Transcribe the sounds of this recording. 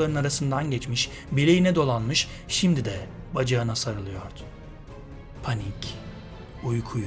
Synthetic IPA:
aɾɯnaɾasɯnd̪anɟɛt͡ʃmiʃ | bilʲejinɛd̪o̞lˠanmɯʃ | ʃimd̪id̪ɛbad͡ʒaɯnasaɾɯlˠɯjo̞ɾd̪̥u̥ | pʰanic | ujkʰuj

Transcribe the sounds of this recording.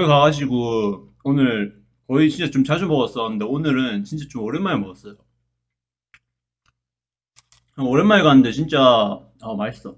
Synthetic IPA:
ʌikaɡaɕ̬ʰiɡo | onɯɭ | kʌit͡ɕint͡ɕ͈at͡ɕomt͡ɕad͡ʑubʌɡʌs͈ʌɯnde̞onɯɾɯnt͡ɕint͡ɕ͈at͡ɕomʌɾjʌnmaɭemʌɡʌs͈ʌjo | ʌɾjʌnmaɭɡaanɯnde̞t͡ɕint͡ɕ͈a | ʌmaɭs͈ʌ

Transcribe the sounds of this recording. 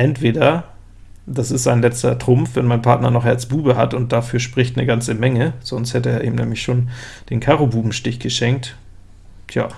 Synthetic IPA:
ʔɛntv̥eːdɐ | d̥asɪstz̥aɪnlɛt͡stɐ̰tʁ̥ʊmfvɛnmaɪnpʰaɐtnɐ̰nɔχhɛɐt͡sb̥uːbəhatʊnt̚d̥afyːɐʃpʁ̥ɪçtnəɡant͡səmɛŋəz̥ɔnsthɛtəeːɐʔḭːbmnɛ̰ːmlɪçʃoːnd̥eːnkʰaʁobuːbm̩ʃtɪçɡ̥əʃɛŋk̚t | tʰja̰ː

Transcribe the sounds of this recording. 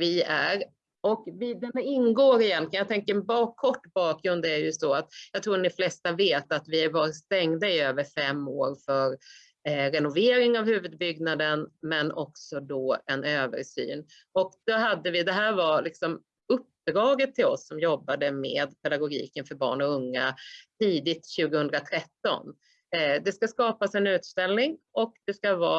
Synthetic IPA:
vɪæɾ | ɔkvɪd̪ɛnɪnːɡoːɾɪjɛnlɪənjat̪ʰɛŋkəɾbɑːkʰːɔʈːbɑːkɡɾɵnd̪æɾjjɵst̪ɔat̪jɑɡt̪ʰɾuːɖɔflɛst̪aveːt̪at̪vɪæɾvɑst̪ɛŋd̪aɪøːvəɾfɛmːoːɾfœɾ | ɾɛnʊveːɾɪŋavhʉ̟ːvəd̪̚bʏɡnad̪ənmɛnʔɔ̰ksɔd̪ɔɛnøːvə̰ɾʂy̰ːn | ɔkd̪̥ɔɦad̪ːəvɪd̪ɛɦæːɾvaɾlɪksɔm | ɵp̚ːd̪ɾɑːɡət̪ʰːɪlɔsːɔmjɔbːad̪əmeːd̪pʰɛd̪aɡʊɡḭːkənfœɾbɑ̰ːɳɔɵŋːat̪ʰiːd̪ɪt̪ɕʉ̟ːɡəhɵnd̪ɾat̪ʰɾɛt̪ːɔ̰n | d̪ɛskaskɑːpasɛnʉ̟ːt̪st̪ɛlnɪŋʔɔkd̪ɛskavɑ̰ː

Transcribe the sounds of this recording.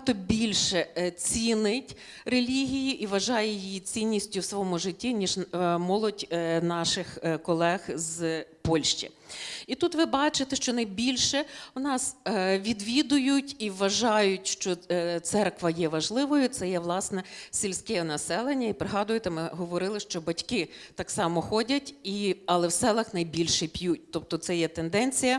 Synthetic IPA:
t̪ɔbʲilʲʃɛt͡sʲinɪtʲ | relʲiɦʲijiʔiʋɐʒɑjɛjijit͡sʲinʲːisʲtʲʊwsɔjɔmʊʒɪtʲːinʲiʒmɔlˠɔdʲnɑʃɪxkɔlˠɛxzpɔlʲʃt͡ʃḭ | it̪ut̪ʋɪbɑt͡ʃɪt̪ɛʃt͡ʃɔnɐjbʲilʲʃɛʊnɑsʋʲid̪ʋʲid̪ʊjʊtʲiʋʋɐʒɑjʊtʲʃt͡ʃɔt̪sɛrkʋɐjɛʋɐʒlˠɪʋɔjʊt̪sɛjɛʋlˠɑsnɛsʲilʲsʲkɛɛnɐsɛlˠenʲːɐipɾeɦɑd̪ʊjɪt̪ɛmɪɦɔʋɔɾɪlˠɪʃt͡ʃɔbɐtʲkɪt̪ɑksɑmɔxɔdʲɐtʲiɐlˠɛwsɛlˠɐxnɐjbʲilʲʃɛpʲjut̚ʲt̪ɔp̚t̪ɔt̪sɛjɛt̪end̪ɛnʲt͡sʲijɐ

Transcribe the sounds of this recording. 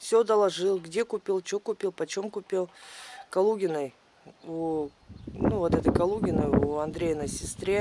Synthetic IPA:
fsʲod̪əlˠɐʐɨlˠɡdʲe̞kʊpʲilˠt͡ɕokʊpʲilˠpət͡ɕomkʊpʲilˠkɐlˠuɡʲɪnəj | u | nuvot̪ɛt̪əjkɐlˠuɡʲɪnəjuɐnd̪ɾʲejənəsʲɪst̪ɾʲe

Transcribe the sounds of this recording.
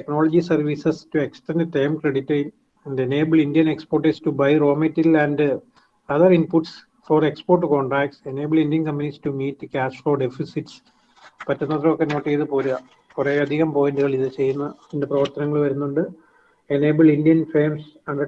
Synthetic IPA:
teknoːlɐd͡ʑisɐrʋisɐstuekstendʈejmkreɽitːɐjim | enɖene̞ːbɨɭindijɐneksporʈestubɐjro̞ːmitːilɐnɖɨ | ɐðɐrinpuʈs | forekspoːrʈ̬ːukoːɳʈraːkʈsene̞ːbɨɭindijɐnkɐmpɐnistumiːtːkaːsfɭoːɖefisiʈs | pɐtːɐnːɐt̪ːrɐokːeno̞ːʈːejðɨpoːɾuɣɐ | pureɐd̪ʱiɣɐmpoːjiɳɖɨɣɐɭiðɨt͡ɕe̞jːunːɐindeprɐʋɐrt̪ɐnɐŋːɐɭʋɐɾunːuɳɖɨ | ene̞ːbɨɭindijɐnfreːmsɐɳɖɐ

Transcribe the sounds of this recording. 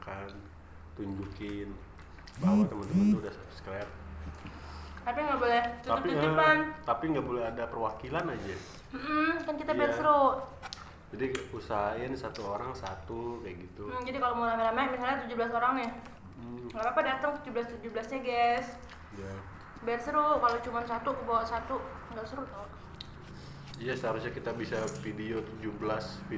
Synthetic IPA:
akan | t̪uɲd͡ʒukɪn | bawt̪əmənt̪əmənt̪uudahsapsklɛr | t̪apiŋɡaʔbolɛht̪ut̪ʊp̪pant̪apiŋɡabolɛɦadapərwakilanad͡ʒa | m̩ʔm̩kankit̪abɛt̪sɾoʔ | d͡ʒadiusaɪnsat̪uoɾaŋsat̪ukajaʔɡit̪ud͡ʒadikalomoɾamaɾamamisalɲat̪ud͡ʒubəlas̬oɾaŋɲa | ɡapapadat̪ʊŋt̪ud͡ʒublast̪ud͡ʒubəlasɲaɡɛs | ja | bɛɛrsəɾuʔkalot͡ʃumansat̪ukəbawaʔsat̪u | ŋɡaʔsəɾuʔt̪ɔ | jasaaɾusɲakit̪abisafidiot̪ud͡ʒubəlasfi

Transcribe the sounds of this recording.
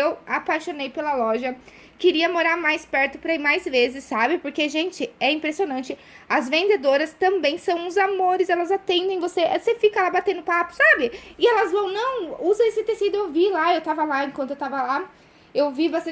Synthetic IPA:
ewapajʃonejpelɐlɔʒɐ | kɪɾiɐmoɾaɾmajspɛɾt̪ʊpɾɐimajzvezɪsːabɪpoɾkeʒẽnt͡ʃɪɛĩmpɾesionɐ̃nt͡ʃɪ | ɐzvẽnd̪ed̪oɾɐst̪ɐ̃mbẽj̃sɐ̃w̃ũʊzamoɾɪsɛlɐzat̪ẽnd̪ẽj̃voseʔsefikɐlabat̪ẽnd̪ʊpapʊ̥sabɪɪɛlɐzvɐ̃w̃nɐ̃w̃uzɐesɪt̪esid̪ʊewvilaewt̪avɐlaẽŋkwɐ̃nt̪ʊewt̪avɐla | ewvibast̪ɐ̃

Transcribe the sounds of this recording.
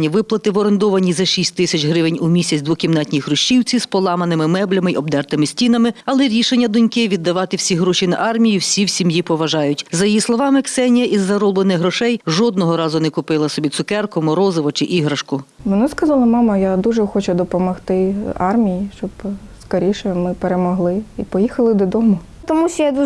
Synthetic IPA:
nʲiʋɪplˠɐt̪ɪʋɔɾend̪ɔʋɐnʲizɐʃʲisʲtʲt̪ɪsʲɐt͡ʃɦɾɪʋɪnʲʊmʲisʲɐt͡sʲd̪ʋʊkʲimnɑt̪ʲnʲixɾʊʃt͡ʃiwt͡sʲispɔlˠɑmɐnɪmɪmɛblʲɐmɪɔb̚d̪ɛrt̪ɪmɪsʲtʲin̪ɐmɪɐlˠɛɾʲiʃenʲːɐd̪ʊnʲkɪʋʲid̪ːɐʋɑt̪ɪwsʲiɦɾɔʃʲinɐ̰ʔɑrmʲijiwsʲiwsʲimjipɔʋɐʒɑjʊtʲzɐjijislˠɔʋɑmɪksɛnʲijɐʔizːɐɾɔblˠenɪxɦɾɔʃɛjʒɔd̪nɔɦɔɾɑzʊnɛkʊpɪlˠɐsɔbʲit̪sʊkɛrkɔmɔɾɔzɪʋɔt͡ʃɪʔiɦɾɐʃkʊʋɔnɑskɐzɑlˠɐmɑmɐjad̪uʒɛxɔt͡ʃʊd̪ɔpɔmɔxt̪ɪɑrmʲijiʃt͡ʃɔbskɐɾʲiʃɛmɪpeɾemɔɦlˠɪipɔjixɐlˠɪd̪ɔd̪ɔmʊ | t̪ɔmusʲjad̪u

